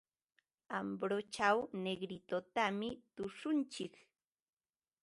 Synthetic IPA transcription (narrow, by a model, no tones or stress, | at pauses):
ambɾot͡ʃawneɡɾɪt̪ot̪amɪt̪ʊʂʊnt͡ʃɪk